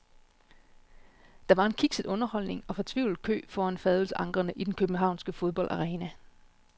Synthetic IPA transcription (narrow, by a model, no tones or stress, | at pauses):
d̥ɑ̈ʋɑ̈e̝nkʰiɡ̥sed̥ɔ̽nɐhɒ̽l̰ne̝ŋɒ̽fɒ̽t͡sʰʋḭʊl̩ˠkʰø̰ːfɒːænfɛðˠl̩səʔɑ̈ŋɡ̥ʁɐnəʔid̥enkʰøb̥n̩ɦɑ̈ʊ̰nsɡ̥əfo̝ð̞ˠb̥ɒ̽ldɑ̈ʁɛːnæ